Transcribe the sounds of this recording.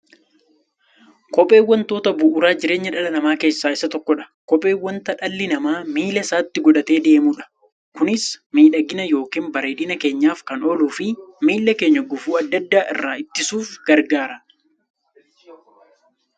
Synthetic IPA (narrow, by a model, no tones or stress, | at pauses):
kɔpʼːe̞ːwːɐnt̪o̞ːt̪ɐbʊʔːɾaːd͡ʒɪɾe̞ːɲːɐᶑɐlɐnɐmaːke̞ːsːaːɪsːɐt̪ɔkːɔᶑɐ̥kɔpʼːe̞ːwːɔnt̪ɐᶑɐlːɪnɐmaːmiːlɐsaːt̪ːɪɡɔᶑɐt̪e̞ːd̪e̞ːmuːᶑɐ̥ | kʊnɪsmiːᶑɐɡɪnɐjo̞ːkiːnbɐɾeːᶑɪnɐke̞ːɲːaːfkɐnɔluːfɪmiːlːɐke̞ːɲːɐɡʊfuːɐd̪ːɐd̪ːaːʔɪ̰rːaːɪt̪ːɪsuːfɡ̥ɐɾɡaːɾɐ